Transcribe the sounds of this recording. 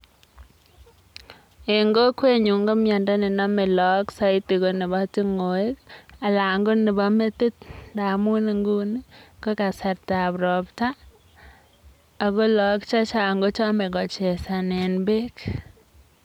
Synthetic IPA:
ɪ˨ŋɡo˦kwe˦ɲu˨ŋɡo˦mja˨nda˦nɪ˨na˦mɪ˨lɔ˨˦ksa˦ɪ˦ti˨ko˨nɪ˨ba˦ti˦ŋo˨ɪ˦ka˨la˨ŋɡo˦nɪ˨ba˦me˦ti˦tda˨mu˦ni˨ŋɡu˦ni˦ko˦ka˨sa˨ɾta˨pɾɔ˨pta˦˨ | ko˦lɔ˨˦kt͡ʃa˦t͡ʃa˨ŋɡo˦t͡ʃɔ˦mɛ˨kɔ˨t͡ʃɛ˨sa˨nɛ˨nbe˦k

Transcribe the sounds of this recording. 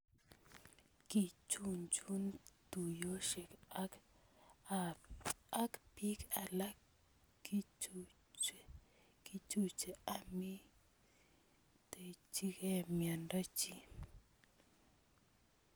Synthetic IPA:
ki˨t͡ʃu˦˨nt͡ʃu˦nt̪u˨jo˦ʃe˨ka˦k | a˨a˦kpi˦ka˨la˦ | ki˦t͡ʃu˦ | t͡ʃe˨ | ki˦t͡ʃu˦t͡ʃe˨a˦mi˦ | t̪e˨t͡ʃi˦ke˦mja˨nɾa˦t͡ʃi˦˨

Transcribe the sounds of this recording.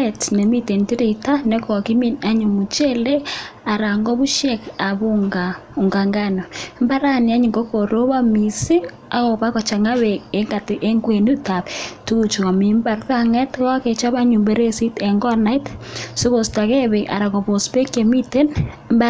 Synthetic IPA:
etne˨mi˦te˨nti˦ɾi˨ta˦ne˦kɔ˨ki˦mi˦na˦ɲu˨mu˨t͡ʃe˦le˦a˨ɾa˨ŋɡɔ˦βu˦ʃjɛ˦ka˨βu˦ŋɡa˨ | u˨ŋɡa˨ŋɡa˦no˨mba˦ɾa˦ni˨a˦ɲi˨ŋɡo˦ko˨ɾo˦βa˦mi˨si˦ | a˨ɣo˨βa˦ɣɔ˨t͡ʃa˨ŋa˦we˨e˦ŋɡa˨ti˦ʔe˦ŋɡwe˨nu˦ta˨βtu˦ɣu˨t͡ʃu˨a˨mi˨mba˨ɾka˦ŋɛ˦tɣa˦ke˨t͡ʃa˦βa˦ɲu˨mbe˦ɾe˦si˦tɛ˨ŋɡɔ˦na˦i˦tso˦βo˨sta˨ɣe˦βeʔa̰˨ɾa˨kɔ˨βo˨spe˦ke˨mi˦te˦nmb

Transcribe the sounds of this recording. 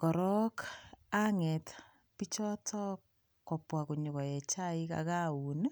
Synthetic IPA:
kɔ˨ɾɔ˦ka˦ŋɛ˨t | pi˦t͡ʃɔ˦tʰɔ˦ | kːɔ˨pwa˨ku˨ɲʊ˨kɔ˨jɛ˨t͡ʃa˦i˦ka̰ka˦u˨n

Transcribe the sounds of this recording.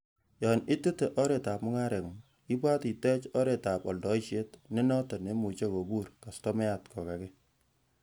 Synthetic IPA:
jɔ˨nɪ˦te˦te˨ʔɔ˦ɾe˨ta˨pmʊ˦ŋa˦ɾɛ˨ŋu˨ | i˦bwa˦ti˨tɛ˦t͡ʃɔ˦ɾe˨ta˨pɔ˨ldɔ˨i˦ʃe˦tne˦nɔ˦ta˨ne˦mu˨t͡ʃe˦ko˨bu˦ɾka˨stɔ˦mɛ˦a˦˨tkʰɔ˨ka˨kɛ˦

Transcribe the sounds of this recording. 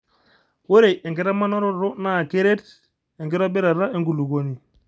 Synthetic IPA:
wo˦ɾe˨jʔe˨ŋɡɪ˨ɾa˦ma˦nɔ˦ɾɔ˦ɾʊ˦na˦˨ke˦ɾe˦t | ɛ˨ŋɡɪ˦ɾɔ˦bɪ˦ɾa˨ɾa˦ʔe˦ŋɡu˨lu˨ko˦ni˨

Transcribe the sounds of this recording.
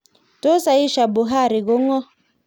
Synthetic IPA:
to˦sa˨i˦ʃa˨bo˨ɦa˦˨ɾɪ˨ɣo˦ŋɔ˦

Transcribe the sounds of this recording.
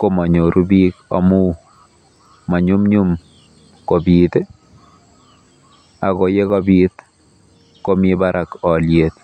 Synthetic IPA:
ko˦˨ma˨ɲo˨ɾʔu˦bi˦kɔ̰˨mu˦ | ma˨ɲu˦mɲu˦m | ko˨bi˨t̪e˦ | a˨ko˨je˦kɔ˦bit̪ | ko˦mi˦ba˦ɾʔa˨kɔ˨ljet̪

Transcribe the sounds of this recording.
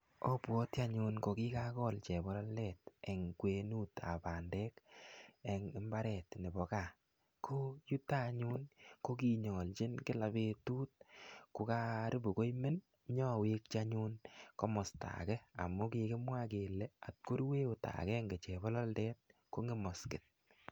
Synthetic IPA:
o˦pwɔ˦ta˦ɲu˧nko˨ki˦ka˦kɔ˦lt͡ʃɛ˨bɔ˦lɔ˦ldɛ˦te˨ŋkwe˨nu˦ta̰˨pa˨ndɛ˦k | e˨ŋɪ˦mba˦ɾɛ˨tnɪ˨bɔ˨ka˨ | kʰo˦ju˦ta˦ɲu˦nko˦ki˨ɲɔ˨lt͡ʃɪ˦nkɪ˦la˨be˧tuː˦t̚kʊ˨ka˦ɾɪ˦bo˨ko˦jmɪ˦n | ɲɔ˦we˦k̚t͡ʃa˦ɲu˦nkɔ˦mɔ˨sta̰˨kɛ˦a̰˨mʊ˦ki˧kɪ˦mwa˦k̬e˨le˦a˨t̚ko˦ɾweː˦o˨ta̰˨kɛ˦ŋɡe˨t͡ʃɛ˨bɔ˦lɔ˦ldɛ˦t̚ko˦ŋɪ˦mɔ˨skɪ˨t̚

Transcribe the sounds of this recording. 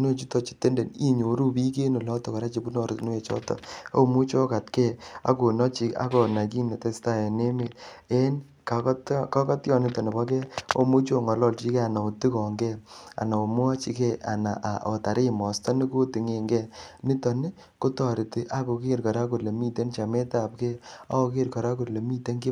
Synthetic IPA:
no˦t͡ʃi˦tɔ˦t͡ʃi̥˨te˦nde˨ni˦ɲo˨ɾu˦bi˦ke˦nu˨lɔ˦tɔ˨ka˨ɾa˦t͡ʃi˨bu˦nɔ˨ɾtnu˦je˨t͡ʃɔ̰˦tɔ̰˨o˦mu˦t͡ʃo˦ka˨tkɛ˦˨a̰˨˦ko˨nɔ˦t͡ʃi˨a̰˦kɔ˨na˨ki˦ne˨te˦sta˦˨e˨ne˦me˨e˦n | ka˨ktkɔ˦kɔ˦tjɔ˦˨nɪ˦tɔ˨ne˨bɔ˦kɛ˦o̰˦mu˦t͡ʃo˦˨ŋɔ˨lɔ˦˨lt͡ʃi˦ke˦a˨na˨o˨ti˦kɔ˨ŋɡɛ˦a̰˨na˨o˨mʊ˦a˦t͡ʃi˨kɛ˦˨a̰˨na˨ʔa˨ʔo̰˨ta˨ɾi˦˨mɔ˨stɔ˦ni˦ko˦ti˨ŋe˨ŋɡɛ˦˨nɪ˦tɔ˨nɪ˦ | ko˦tɔ˨ɾi˨tɪ˨ʔa˦ko˨ke˦˨ɾkɔ˨ɾa˦ku˨ɾle˨mi˦te˦nt͡ʃa˨me˦ta˦˨p̚kɛ˦a̰˦ko˧ke˦ɾkɔ˨ɾa˦ku˨ɾle˨mi˦te˦ŋki˦

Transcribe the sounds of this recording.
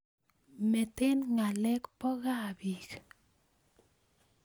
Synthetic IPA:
mɛ˨t̪ɪ˦nŋa˨lɛ˦kpɔ˦ɣa˦˨bi˨k

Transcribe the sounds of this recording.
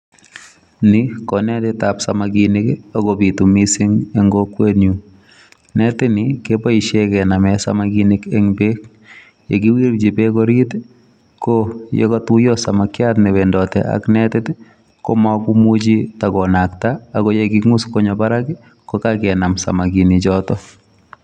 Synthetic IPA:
nɪ˦kɔ˨nɛ˦tɪ˦ta˨psa˨maɡinɪ˦ka˦ɡo˦bi˨tu˨mi˦sɪ˦ŋe˦ŋɡo˦kwe˦nju˨ | nɛ˦tɪ˦nɪke˦pɔ˦i˨ʃe˦kɛ˨na˨mɛsa̰˦maɡi˦ni˦ke˦ŋbe˦k | jḛ˨ɡɪ˦wi˦ɾd͡ʒi˨be˦kɔ˦ɾi˦t | ko˦jḛ˦kɔ˦tu˦jo˦sa˨ma˨kɪ˦a˦tnɛ˨we˨ndɔ˨tɛ̰a̰˦knɛtɪ˦t | kɔ̰˦mɔ˦ku˦mu˦d͡ʒi˦ta˨kɔ˨na˨ktaː˨ko˦je˦ɡɪ˦ŋu˦sko˦ɲɔ˨ba˦ɾa˦kɪ | kɔ˦ka˦kɛ˨na˨msa̰˨ma˨ɡi˨ni˨d͡ʒɔ˦tɔ˦

